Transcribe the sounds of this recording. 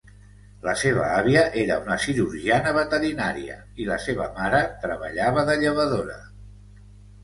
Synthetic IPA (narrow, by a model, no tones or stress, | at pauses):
ləseβ̞ə̰aβ̞iəʔeɾə̰unəsiɾuɾʒianəβət̪əɾinaɾiə̰ | iləseβəmaɾət̪ɾəβəʎaβəðəʎəβ̞əðoɾə̰